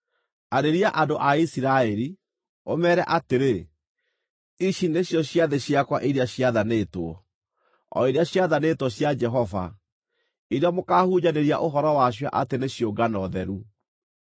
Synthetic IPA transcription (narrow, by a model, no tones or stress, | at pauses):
aɾeɾiaʔadoʔaisiɾaɛɾi | omɛːɾɛʔateɾe | iʃineɕjɔɕjaðeɕjakwaʔiɾeaɕjaðanetwɔ | ɔ̰eɾeaɕjaðanetwɔɕjad͡ʒɛɦɔva̰ | iɾeamokaːhuɲaneɾia̰ʔoɦɔɾɔwaɕ̬wa̰ʔateneɕjoɡanɔðɛɾu